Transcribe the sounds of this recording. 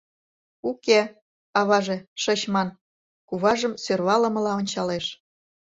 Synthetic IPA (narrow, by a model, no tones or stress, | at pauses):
uke | ɑβɑʒeʃə̆ɕmɑn | kuβɑʒəmsørβɑlɤ̆mɤ̆lɑonʲt͡ɕɑleʃ